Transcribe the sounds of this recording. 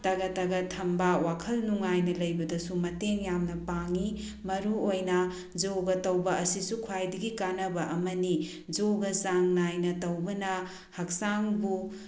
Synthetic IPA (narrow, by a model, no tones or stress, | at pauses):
tɐɡɐtɐɡɐtʰɐmbawakʰɐlnuŋajnɐlɐjbɐdɐsumɐteŋjamnɐpaŋi | mɐɾuojnɐ | d͡ʒoɡɐtɐwbɐʔɐsisukʰuajdɐɡikanɐbɐʔɐmɐni | d͡ʒoɡɐsaŋnajnɐtɐwbɐnɐ | hɐk̚saŋbu